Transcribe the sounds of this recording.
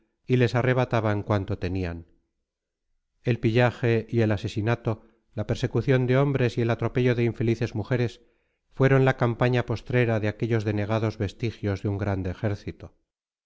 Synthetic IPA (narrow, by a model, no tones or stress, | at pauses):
ile̞sare̞β̞at̪aβaŋkwant̪o̞t̪e̞nian | e̞lpiʎaxe̞ie̞lase̞sinat̪o̞ | lape̞ɾse̞kuθjo̞nd̪eo̞mbɾe̞sie̞lat̪ɾo̞pe̞ʝoðe̞iɱfe̞liθe̞zmuxe̞ɾe̞s | fwe̞ɾo̞nlakampaɲapo̞st̪ɾe̞ɾaðeake̞ʎo̞zðe̞ne̞ɣ̞aðo̞zβe̞st̪ixjo̞zðeuŋɡɾand̪eːxe̞ɾθit̪o